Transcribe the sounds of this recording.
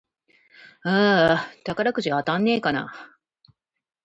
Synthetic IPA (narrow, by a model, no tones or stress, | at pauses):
at̪akaɾakɯ̟ɕiat̪ãnːe̞ːkana̰